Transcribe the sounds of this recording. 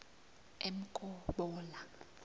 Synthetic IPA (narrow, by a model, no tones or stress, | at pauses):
em̩kʼɔɓɔːla